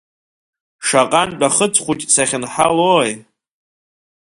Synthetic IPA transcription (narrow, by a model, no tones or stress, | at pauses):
ʂaqʼanpʼaχət͡sʰʼχʷutʼsaχʲɪnħaloj